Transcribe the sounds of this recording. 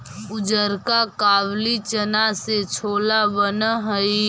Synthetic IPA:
ʊd͡ʒəɾkakaːwlit͡ʃənaset͡ʃʰoːlabənɦəi

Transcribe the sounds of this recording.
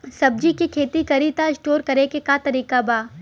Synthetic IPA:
sɐb̚d͡ʒikikʰeːt̪ikɐɾit̪aɪsʈoːɾkɐɾekekat̪ɐɾiːkabaː

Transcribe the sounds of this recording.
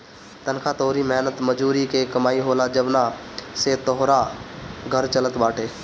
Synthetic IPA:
t̪ənkʰat̪oːɾimɛɦnət̪məd͡ʒuːɾikekəmaːiɦoːlad͡ʒəbnaset̪ɔɦɾaɡʱəɾt͡ʃələt̪baːʈʰeː

